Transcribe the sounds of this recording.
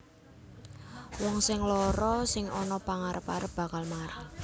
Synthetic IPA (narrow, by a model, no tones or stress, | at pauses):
wɔŋsɪŋlɔɾɔsɪŋɔnɔpaŋaɾəpaɾəp̚b̥a̤kalmaɾəh